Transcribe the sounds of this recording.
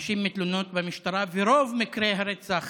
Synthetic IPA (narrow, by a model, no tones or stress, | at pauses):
ʃimːit̪lunot̪vemiʃt̪aɾaveɾovmikɾeɦaɾet͡saχ